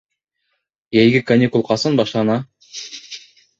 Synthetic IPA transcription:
jæjɡʲɘkanʲikulˠqɑsɤnbɑʃlˠɑnɑ

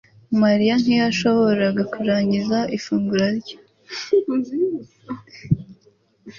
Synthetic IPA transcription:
maɾijan̥hijaʃo̞βo̞ɾaɡakuɾaːɲɟizaʔifuːŋɡuɾaɾɟo

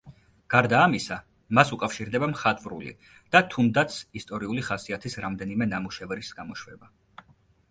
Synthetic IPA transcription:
ɡ̥aɾd̪aːmisa | masukʼafʃiɾd̪ɛbamχat̪ʼvɾṵlḭ | d̪̥at̪ʰund̪at̪sʰist̪ʼɔɾiuliχasiat̪ʰisɾamd̪ɛnimɛnamuʃɛvɾisɡamɔʃwɛba

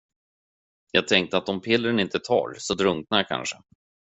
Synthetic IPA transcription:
jɑːɡ̚t̪ʰɛŋk̚t̪əat̪ɔmpʰɪlːɾənɪnt̪ət̪ʰɑ̰ːɾsɔd̪ɾɵŋk̚nakʰa̰nʂə

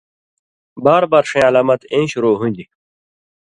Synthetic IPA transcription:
baːɾbaːɾʂẽːɐlaːmɐt̪ẽːɕuɾoːɦũnʲd̪i

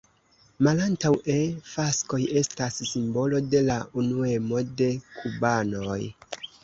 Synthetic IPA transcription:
malantawe̞fasko̞je̞stasːimbo̞lo̞de̞launue̞mo̞de̞kʰubano̞j

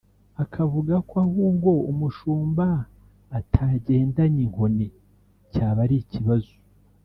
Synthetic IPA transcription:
akʰavuɡakoahuːŋɡo̞umuʃuːmbaː | tʰaɟe̞ːndaɲiŋho̞ne | caːβaɾiciβazo̥

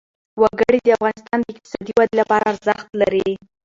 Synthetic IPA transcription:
waɡəɽid̪əafɣɑnɪst̪ɑnd̪əɪk̚t̪ɪ̥sɑd̪iwad̪lapɑɾaːɾzaxt̪laɾi

